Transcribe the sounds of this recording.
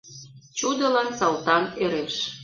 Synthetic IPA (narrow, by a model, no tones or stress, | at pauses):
t͡ɕud̪ə̆lɑnsɑlˠt̪ɑneɾeʃ